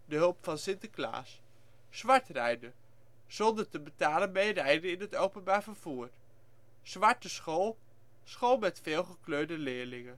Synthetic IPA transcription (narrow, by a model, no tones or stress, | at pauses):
dəɦɵlˠpfɑnsɪntəkla̰ːsː | ʋɑɹtrɛjdə | z̥ɔndəɹtəbətaːlənmejrɛjdənɪnɦətowpənbaːɹvəɹv̥uːɹ | z̥ʋɑɹtəsχolˠ | sχolˠmɛtfeːlˠχəkløːdəlɪːɹlɪŋən